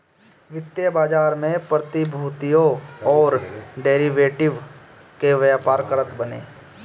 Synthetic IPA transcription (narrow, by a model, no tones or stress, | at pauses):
ʋɪt̪jəbaːd͡ʒaːɾmẽpɾət̪ibʱuːt̪ijõɔːɾɖeːɾiʋeːʈɪʋ | keʋjaːpaːɾkəɾət̪bənḛː